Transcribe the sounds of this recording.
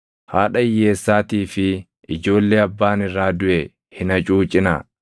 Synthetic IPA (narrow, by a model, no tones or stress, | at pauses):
haːᶑɐɪjːeːsːaːt̪iːfɪ | ʔɪd͡ʒo̞ːlːeːɐbːaːnɪrːaːd̪ʊʔɛ | hɪnɐt͡ʃʼuːt͡ʃʼɪnɐ̰